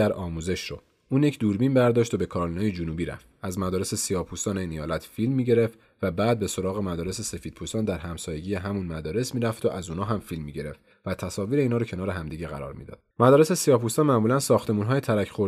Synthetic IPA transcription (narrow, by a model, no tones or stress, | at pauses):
æɾʔɒːmuːze̞ʃɾo | uːnjecʰd̪uɾbinbæɾd̪ɒːʃt̪obe̞kʰɒːɾlnɒːjed͡ʒunubiɾæ̰ft̪æzmæd̪ɒːɾese̞sijɒːpʰust̪ɒːneinijɒːlæt̪ʰfilmːiːɟe̞ɾe̞ft̪ | væbæːd̪̚be̞so̞ɾɒːɣe̞mæd̪ɒːɾe̞se̞se̞fiːd̪̥̚pʰust̪ɒːnd̪æɾɦæmsɒːje̞ɟiːjeɦæmunmæd̪ɒːɾe̞smiːɾæft̪ʰoʔæzuːnɒːɦæmfilmːiɟe̞ɾe̞̰ft̪ | væt̪ʰæsɒːviːɾe̞inhɒːɾocʰe̞nɒːɾeɦæmd̪iːɟe̞ɣæ̰ɾɒ̰ːɾmḭːd̪ɒ̰d̪mæd̪ɒːɾe̞se̞sijɒpʰust̪ɒːnmæʔmuːlænsɒːxt̪ʰe̞muːnɦɒːjet̪ʰæɾæcʰxo̞